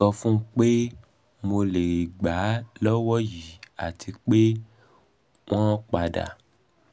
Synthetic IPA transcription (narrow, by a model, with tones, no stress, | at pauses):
ɔ˧fũ˦ŋ̩˦k͡pe˦ | mo˧le˨ɾe˨ɡ͡ba˨˦lɔ˦wɔ˦ji˨a̰˨t̪ʰi˧k͡pe˦ | w̃ɔ̃˦k͡pa˨ɖa̰˨